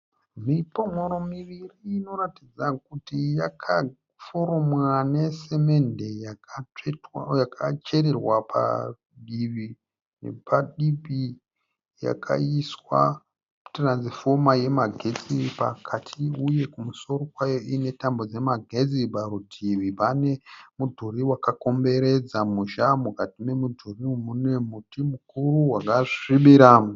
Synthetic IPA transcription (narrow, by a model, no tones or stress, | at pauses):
mipo̞ŋo̞ɾo̞miʋiriːno̞ratid͡zak̚utijakʰa | foɾomwane̞se̞me̞nde̞ja | jakʰat͡ʃe̞ɾerwapʰa̰ | ɗiʋi | ne̞̰pʰaɗipi | ja̰kʰa̰iswa̰ | tranzifo̞maje̞maɡʱe̞t͡sipakʰatʰiuje̞kumuso̞ɾo̞kwajoine̞tambo̞d͡ze̞maɡʱe̞d͡zibaɾudʰiʋipane̞mudʱuɾiwakako̞mbe̞ɾe̞d͡zamuʃamukatine̞mudʱurimune̞mutimukuruɦwakaʐiɓiɾaːm